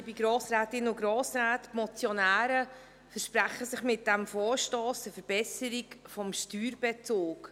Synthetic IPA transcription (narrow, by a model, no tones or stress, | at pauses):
b̥iɡɾoːsɾɛːtɪnʊɡɾoːsɾaːtmɔt͡sjɔnæːɾə | fəɾʃpɾæχəsɪχmɪt̚d̥ɛmfɔːʃtoːsəfəɾb̥ɛsəɾikfɔmʃtyːɾbɛt͡soːk